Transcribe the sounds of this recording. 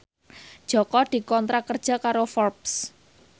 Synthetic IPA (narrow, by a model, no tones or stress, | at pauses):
d̥ʒ̥ɔ̤kɔd̪̥i̤kɔnt̪ɾakərd̥ʒ̥a̤kaɾofɔrps